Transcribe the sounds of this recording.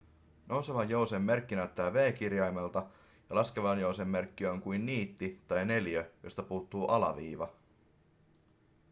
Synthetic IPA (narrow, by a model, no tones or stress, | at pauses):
nʔo̞wseʋɑjjo̞wsemːe̞rkːinæt̪ːæːʋe̞ːk̟irjɑjmelt̪ɑ | jɑlɑskeʋɑnjo̞wsemːe̞rkːiøjŋkujnːiːt̪ːit̪ɑjne̞ljøjo̰st̪ɑpuːt̪ːuːʔɑlɑ̰ʋḭːʋɑ